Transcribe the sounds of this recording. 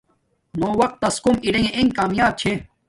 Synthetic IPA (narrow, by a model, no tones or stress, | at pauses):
noːwɐq̚t̪ːɐskumiɾɐjẽʔẽŋɡkaːmjaːb̚t͡ɕʰe